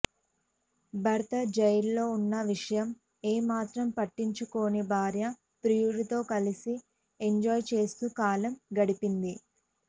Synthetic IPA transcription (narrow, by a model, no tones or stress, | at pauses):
bʱɐɾt̪ɐd͡ʒɐjɐlːo̞ːunːɐʋiʂɐjɐm | eːmaːt̪ɾɐmpɐʈːiɲt͡ʃuko̞ːnibʱaːɾjɐ | pɾijuɾit̪o̞ːkɐlisi | eɲd͡ʒɔːjt͡ʃe̞ːst̪ukaːlɐmɡɐɽipind̪i